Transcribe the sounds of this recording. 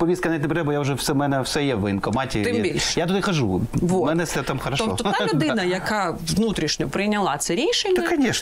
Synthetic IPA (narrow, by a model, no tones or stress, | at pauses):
pɔʋʲiskɐnɐitʲnɛpɾt̪ɛbɔjaʊʒɛwsɛmɛnɛwsɛjɛʋɪnkɔmɑtʲit̪ɪmbʲilʲʃjat̪ɔd̪ɪxɐʒuʋomɛnɛsʲɛt̪amxɐɾɐʃɔ̰ɔalʊd̪ɪnɐjɐkaʋʋnut̪ɾʲiʃnʲɔpɾɪjnʲɐlˠɑt̪sɛɾʲiʃenʲːd̪kɐnʲɛʃ